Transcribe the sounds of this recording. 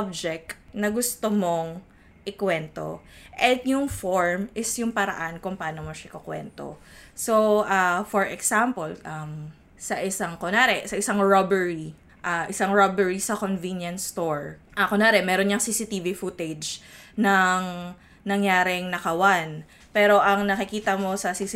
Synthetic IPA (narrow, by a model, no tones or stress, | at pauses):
b̚d͡ʒɛk̚nɐɡʊst̪omoŋ | ʔɪkwɛnt̪o̰ʔɛt̪jʊŋfoɹmɪsjʊŋpɐɾɐ̰ʔankʊŋpaːnomɐʃɐʔɪkokwɛ̰nt̪o̰soʔafɔɹʔɛksampɔlʔɐm | sɐʔɪsaŋkonaːɾɛsɐʔɪsaŋɹobɛɹi | ʔaʔɪsaŋɹobɛɹisɐkonvinjɐnst̪oɹʔɐkonaːɾɛmɛːɾonɲɐŋsiːsɪt̪iːvifut̪ɛd͡ʒnɐŋ | nɐŋjaːɾɪŋnɐkɐwan | pɛːɾo̞ʔɐŋnɐkɪkiːt̪ɐmo̞sɐsis